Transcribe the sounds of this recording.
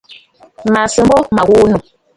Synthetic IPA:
ma˨sɨ˨m̩bo˦ma˨ɣu˦nu˨

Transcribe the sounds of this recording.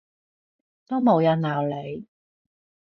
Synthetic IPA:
t̪o˥wmo˨˧wjɐ˨˧nlaː˨˩wle˨˧j

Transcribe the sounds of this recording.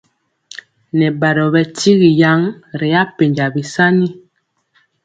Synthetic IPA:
nɛ˨ba˨ɾɔ˨bɛ˨ti˦ɣi˨ja˦ŋɾe˨˦a˦pe˨ɲd͡ʒa˨bi˨sa˦ni˦

